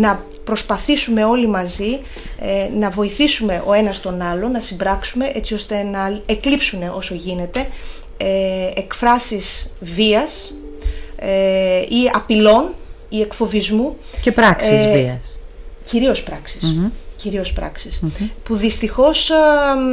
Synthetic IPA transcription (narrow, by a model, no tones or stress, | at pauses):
nɐ | pɾo̞spɐθisume̞o̞limɐzi | nɐvo̞iθisume̞ʔo̞e̞nɐst̪o̞nɐlo̞nɐsimbɾɐksume̞ʔe̞t͡sio̞st̪e̞nɐeklipsune̞ʔo̞so̞ʝine̞t̪e̞ | ekfɾɐsiz̥viɐs | eiɐpilo̞n | ie̞kfo̞vizmucepɾɐii | ciɾio̞spɾɐksi̥sciɾio̞spɾɐ̰ksispuðist̪ixo̞s